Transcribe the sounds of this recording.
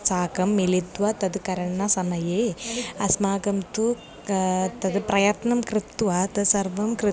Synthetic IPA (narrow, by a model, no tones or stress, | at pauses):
saːkɐmːilit̪ʋɐt̪ɐd̪ukɐɾɐɳːɐsɐmɐjeːɐsmaːɡɐmt̪u | t̪ɐd̪pɾɐjɐt̪nɐmkɾɪt̪ːʋaːt̪ɐsɐɾʋɐmkɾɪ